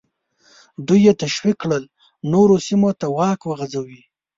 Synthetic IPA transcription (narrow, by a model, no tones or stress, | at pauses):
d̪ujet̪aʃwikːɽəl | noɾosimot̪awɑkwəɣazawi